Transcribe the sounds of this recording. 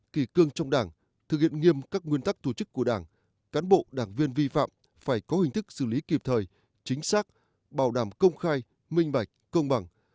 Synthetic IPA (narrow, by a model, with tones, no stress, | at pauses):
ki˧˩kɨ˧əŋt͡ɕɔ˧wŋ͡mɗaː˧˩ŋ | t̪ʰɨ˨˩k̚hḭ˧˨ənŋi˧əmkaː˦˥k̚ŋwi˧ənt̪a˦˥k̚t̪ʰu˧˩t͡ɕɨ˦˥kːu˧˩əɗaː˧˩ŋ | kaː˨˦nɓo̰˧˨ɗaː˧˩ŋvi˧ənvi˧fa̰ː˧˨m | faː˧˩jkɔ˨˦hï˨˩ŋ̟t̪ɨ˦˥k̚sɨ̰˧˩li˨˦ki˨˩p̚t̪ʰəː˨˩j | t͡ɕï˨˦ŋ̟saː˦˥k̚ | ɓaː˧˩wɗaː˧˩mkə˧wŋ͡mxaː˧j | mï˧ŋ̟ɓa˨˩jk̟̚kə˧wŋ͡mɓa˨˩ŋ